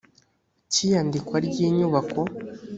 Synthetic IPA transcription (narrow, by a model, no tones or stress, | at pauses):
cijandikwaɾɟiːɲuβako̞